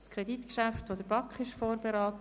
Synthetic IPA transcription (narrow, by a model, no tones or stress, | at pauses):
skʰɾɛditkʃæftʋod̪əbɑkχɪʃfoːɾbeɾɑːt